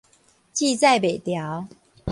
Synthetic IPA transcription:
t͡ɕi˥˧t͡sa˥˨ɪpe˨˩ɪt̪jɑ˨˦ʊ

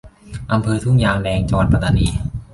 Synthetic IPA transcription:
ʔa˧mpʰɤː˧t̪ʰu˥˩ŋjaː˧ŋlɛː˧ŋt͡ɕɔː˧npa˧t̪a˧niː˧

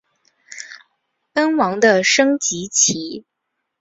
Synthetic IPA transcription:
tə˥nwɑ˧˥ŋd̪ə˧ʂɤ˥ŋt͡ɕi˧˥t͡ɕʰi˧˥

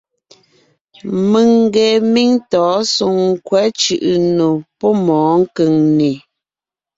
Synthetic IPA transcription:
mə˨ŋ˦ɡe˨mi˦ŋtɔː˨˦su˨ŋ̩˦kwɛ˨˦t͡ʃʉ˨ʔɯ˨no˨pɔ˦mɔ̃ː˨˦ŋ̩˦kə˨ŋne˨

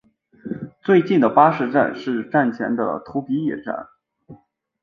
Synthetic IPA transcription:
t͡swe˥˧ɪt͡ɕi˥˩nd̪ə˩pa˥ʂɻ̩˥˧ʈ͡ʂa̰˥˧nʂɻ̩˥˧ʈ͡ʂa˥˩nt͡ɕʰjɛ̰˧˥nd̪ə̰˧t̪ʰu˧˥pi˧˥jɛ̰˨˩ʈ͡ʂa̰˥˩n

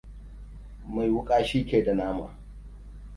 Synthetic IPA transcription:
ma˨jwʊ˦kʼaː˦ʃiː˦kʲeː˨da˨naː˦ma̰ː˨

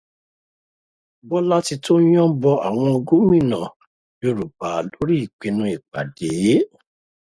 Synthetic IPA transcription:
bɔ˦la˦ti˧tõ˦ɔ̃˦bɔ˧a̰˨w̃ɔ̃˧o˧ɡu˦mĩ˦˨nã˨ | jo˧ɾu˨ba˨lo˦ɾi˦i˨k͡pe˧nũ˨˦i˨k͡pa̰˨de˨je˦

